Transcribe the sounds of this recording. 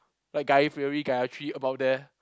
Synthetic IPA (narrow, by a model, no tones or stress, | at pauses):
laɪk̚ɡaɪfɛɹiɡajat͡ʃʰɹitəbaʊt̚dɛ